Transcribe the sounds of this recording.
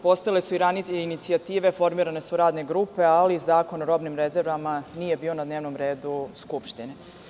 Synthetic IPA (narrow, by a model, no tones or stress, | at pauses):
po̞st̪ailesuiɾanit̪einit̪siat̪iːʋe̞fo̞ɾmiːɾane̞suɾaːd̪ne̞ɡɾuːpe̞alizaːko̞no̞ɾo̞bnimɾezeɾʋamaniːje̞biːo̞nad̪neːʋnomɾe̞ːd̪uskupʃt̪ine